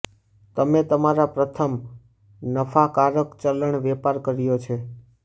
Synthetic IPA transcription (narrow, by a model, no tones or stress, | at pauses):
t̪əmet̪əmaɾapɾət̪ʰəm | nəfʰakaɾəkt͡ʃələɳʋɛpaɾkəɾjot͡ʃʰe